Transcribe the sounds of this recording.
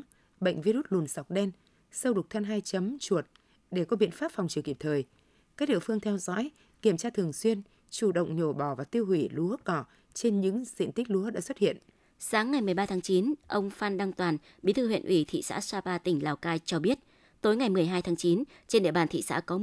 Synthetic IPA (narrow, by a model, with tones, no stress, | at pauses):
ɓə̰˧˨ŋ̟vi˧ɾu˦˥t̚lu˨˩ənsa˨˩wk͡p̚ɗɛ˧n | sə˧wɗʊ˨˩k͡p̚t̪ʰa˧nɦaː˧jt͡ɕə˨˦mt͡ɕu˨˩ət̚ | ɗe˧˩kɔ˨˦ɓḭ˧˨ənfaː˦˥p̚fa˨˩wŋ͡mt͡ɕi˨˩əki˧˩p̚t̪ʰəː˨˩j | kaː˦˥k̚ɗḭ˧˨əfɨ˧əŋt̪ʰɛ˧wzɔ̰ː˧˥j | ki˧˩əmt͡ɕaː˧t̪ʰɨ˨˩əŋswi˧ən | t͡ɕu˧˩ɗə̰˧˨wŋ͡mɲo˧˩ɓɔ˧˩vaː˨˩t̪i˧əwɦwi˧˩lu˨˦əkɔ˧˩ | t͡ɕe˧nɲɨ̰˧˥ŋzḭ˧˨nt̪ï˦˥k̟̚lu˨˦əɗa̰ː˧˥swə˦˥t̚hḭ˧˨ənʔ | saː˨˦ŋːa˨˩jmɨ˨˩əjɓaː˧t̪ʰa˨˦ŋt͡ɕi˨˦nʔə˧wŋ͡mfaː˧nɗa˧ŋt̪waː˨˩n | ɓi˨˦t̪ɨ˧˩ɦwḭ˧˨ənʔi˧˩t̪ʰḭ˧˨sa̰ː˧˥saː˧paː˧t̪ï˧˩ŋ̟laː˨˩wkaː˧jt͡ɕɔ˧ɓi˦˥ət̚ | t̪o˨˦jŋa˨˩jmɨ˨˩əjɦaː˧jt̪ʰaː˨˦ŋt͡ɕi˨˦n | t͡ɕe˧nɗḭ˧˨əɓaː˨˩nt̪ʰḭ˧˨sa̰ː˧˥kɔ˨˦